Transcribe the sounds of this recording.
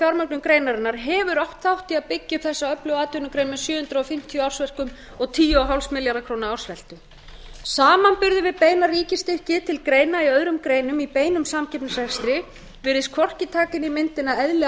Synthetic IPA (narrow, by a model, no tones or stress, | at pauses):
fjawɾmœknʏmkɾejnaɾɛnːaɾ̥ɦɛvʏɾɔht̪θawht̪ɪaðpɪcːɪθɛsːaœplœwaːt̪ʏnʏkɾejnmɛsjœːhʏnt̪ɾaɔfɪm̥t̪ʰiɔawr̥svɛr̥kʏm | ɔɣt̪ʰiːjʏɔɦawlsmɪljaɾðakʰɾoːwnaawr̥svɛl̥t̪ʏ | saːmanpʏɾðʏvɪðpeːjnariːcɪst̪ɪhcɪt̪ʰɪlkɾeːjnaiœðɾʏmkɾeːjnʏmipeːjnʏmsamcʰɛpnasɛkst̪ɾɪ | vɪɾɪskʰɔr̥cɪt̪ʰaːkɪnimɪnt̪ɪnaɛðlɛ